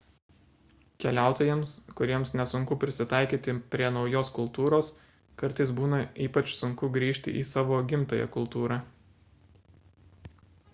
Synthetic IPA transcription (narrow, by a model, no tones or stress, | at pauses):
kʲɛlʲæˑʊt̪oːjɛmskʊɾʲiɛmsnʲɛsʊŋkʊpʲɾʲɪsʲɪt̪ɑˑɪkʲiːt̪ʲɪpʲɾʲiɛnɒʊjoːskʊlˠt̪uːɾoːs | kɐɾˑt̪ɐɪsbuːnɐiːpɐt͡ʃsʊŋkʊɡɾʲiːʃʲt̪ʲɪ̰ʔḭːsɑːʋoːɡʲɪmt̪ɐjɛ̰kʊlˠt̪uːɾɑ